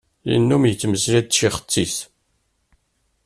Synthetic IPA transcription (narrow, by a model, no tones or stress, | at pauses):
jḭnːumjət͡sːməslæd̪̚ʃiχə̥t͡sːis